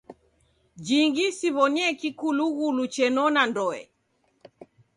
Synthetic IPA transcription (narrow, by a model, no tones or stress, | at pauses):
d͡ʒiŋɡisiβɔniɛkikuluɣulut͡ʃɛnɔnandɔɛ̰